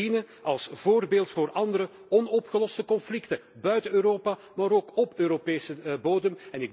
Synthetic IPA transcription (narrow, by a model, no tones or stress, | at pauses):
inə | ɑlˠsv̥oːrbeːlˠtfoːrʔɑndəɾə | ɔnɔpxəlɔstəkɔnflɪktə | bœɥtəøːɾoːpa | maːɾoːkɔpøːɾopeːsəboːdəmɛnɪɡ